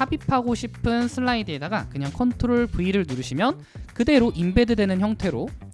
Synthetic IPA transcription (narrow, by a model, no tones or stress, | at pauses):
habipʰaɡoɕʰipʰɯnsʰɯɭːaidɯe̞daɡakɯɲaŋkʰʌntʰoɾoɭpuiɾɯɭnuɾɯɕʰimjʌn | kɯde̞ɾoʔimbe̞dɯdwe̞nɯnçjʌŋtʰe̞ɾo